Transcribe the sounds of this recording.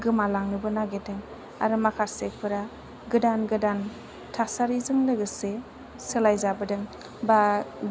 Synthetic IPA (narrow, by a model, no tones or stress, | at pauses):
ɡɯmalaŋnɯbɯnaɡedɯŋ | a̰ɾɯmakʰaɾsek̚pʰɯɾa | ɡɯdanɡɯdan | tʰasaɾizɯŋlɯɡɯse | sɯlajzabɯdɯŋ | ba